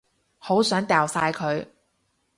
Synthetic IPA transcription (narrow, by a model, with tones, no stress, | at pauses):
ho˨˥wsœː˨˥ŋt̪ɛː˨wsaː˧jkʰɵ˨˧ɥ